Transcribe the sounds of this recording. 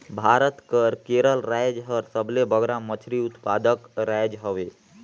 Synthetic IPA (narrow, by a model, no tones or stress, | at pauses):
bʱaɾət̪kəɾkeɾəlɾajd͡ʒɦəɾsəblebʱəɡɾamət͡ʃʰɾiut̪pad̪əkɾajd͡ʒɦəʋe